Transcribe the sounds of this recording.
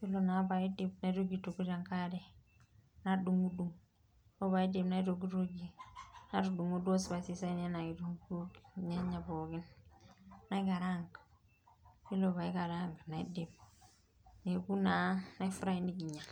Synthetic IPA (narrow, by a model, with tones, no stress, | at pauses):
fi˦lo˨na˨˦ba˨i˦de˦b̚na˨˦ɾo˦ɡi˨tu˨ku˦d͡ʒa˦ŋka˦ɾe˦ | na˦du˨ŋu˦du˨ŋ | o˦ba˨i˦de˨bna˦i˦ɾo˨ɡi˦ɾo˦ɡi˦na˦ɾu˨du˨ŋu˦do˦sba˨si˦sa˦ne˦na˨ɡi˨du˦ŋ˦u˦ɡɲe˦ɲa˨bo˨ɡi˦nː | a˦i˦ɡa˨ɾa˦ŋɡ | fi˦lo˨ba˨i˦ɡa˨ɾa˦ŋɡna˨i˦de˨b̚ | ne˨ku˦na˨na˦jfu˦ɾa˦i˦ni˦ɡi˨ɲa˨